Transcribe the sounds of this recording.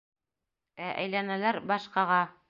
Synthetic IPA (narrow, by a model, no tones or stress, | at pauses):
æʔæ̰jlænælæɾbɑʃqɑʁɑ